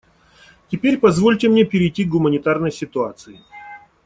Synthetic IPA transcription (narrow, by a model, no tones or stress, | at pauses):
tʲɪpʲeɾʲpɐzvo̞lʲtʲɪmnʲepʲɪɾʲɪjtʲik̚ɡʊmənʲɪt̪arnəjsʲɪt̪ʊat̪sɨɪ